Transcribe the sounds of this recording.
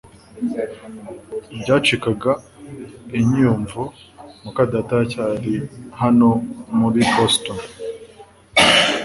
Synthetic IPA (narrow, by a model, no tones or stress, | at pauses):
bɟaːt͡ʃikaɡa | iɲijuɱvo | mukadatacaɾihano̞muɾiboston